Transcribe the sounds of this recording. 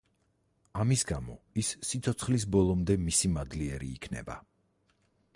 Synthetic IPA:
amisɡamɔisːit̪sʰɔt̪sʰχlis̬bɔlˠɔmd̪ɛmisimad̪liɛɾḭːkʰnɛ̰ba̰

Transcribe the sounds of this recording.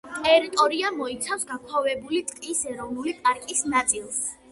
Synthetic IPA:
t̪ʼɛɾit̪ʼɔɾiamɔit̪sʰafsɡakʰwɔvɛbulit̪ʼqʼisɛɾɔvnulipʼaɾkʼisnat̪sʼilˠs

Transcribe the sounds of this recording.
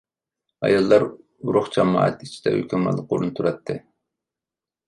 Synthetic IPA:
ɑ̰jɑlˠːɑɾ | uɾʊχd͡ʒɑmɑ̰ːɑt̪it͡ʃʰid̪̥ɛ̰høkʲʰɛmɑ̰lˠəqoɾunt̪ʰuɾɑt̪ʰːɨ

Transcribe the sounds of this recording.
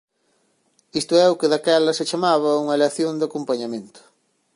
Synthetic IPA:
ist̪ʊɛʊkɪðakɛlɐset͡ʃamaβ̞ɐuŋɐeleaθjoŋd̪akompaɲamẽnt̪ʊ̥

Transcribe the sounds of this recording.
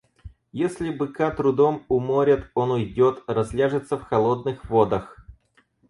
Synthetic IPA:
jesʲlʲɪbɨkat̪ɾʊd̪omʊmoɾʲɪt̪o̞nʊjdʲot̪rɐzʲlʲaʐɨt̪səfxɐlˠod̪̚nɨxvod̪əx

